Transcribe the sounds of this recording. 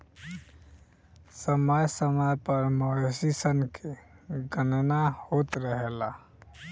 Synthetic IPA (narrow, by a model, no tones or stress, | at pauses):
səməjsəməjpəɾməesisənkʰeɡənnahot̪ɾəɦela